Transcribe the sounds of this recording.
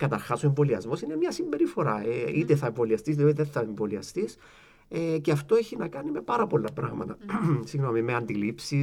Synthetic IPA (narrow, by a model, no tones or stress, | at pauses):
kɐt̪ɐɾxɐsoeɱvo̞liɐ̰zmo̞sine̞mɲɐsimbe̞ɾifo̞ɾɐ̰eit̪eθɐeɱvo̞liɐst̪izðiot̪iðenθɐeɱvo̞liɐ̰st̪is | ceɐft̪o̞eçinɐkɐnime̞pɐɾɐpo̞lːɐpɾɐ̰ɣmɐ̰t̪ɐsiɣno̞mimeɐnd̪ilipsi